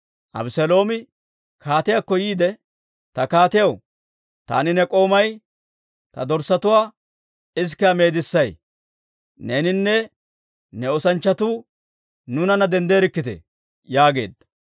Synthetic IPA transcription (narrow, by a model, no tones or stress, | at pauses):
ʔɐ̰bɪsɛlo̞ːmɪ | kʰaːt̪ɪjakːɔjiːd̪ɛ | t̪ɐkaːt̪ɪjɐw | t̪a̰ːnɪnɛkʼo̞ːmɐj | t̪ɐd̪ɔɾsɐt̪ʊwaː | ɪs̬kːɛɐme̞ːd̪ɪsːɐj | neːnɪnːɛ | nɛɔsɐnt͡ʃːɐt̪uː | nʊnɐnɐd̪ɛnd̪eːɾɪkːɪt̪ɛ̰ | jaːɡe̞̰ːd̪ːɐ̥